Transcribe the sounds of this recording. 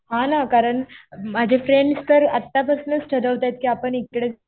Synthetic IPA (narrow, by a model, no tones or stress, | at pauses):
ɦãnakaɾəɳmad͡ʑʱefɾeɳɖst̪əɾət̪ːapəsnət͡sʈʰəd̪əʋt̪ajt̪̚kiːapəɳit̪kɽe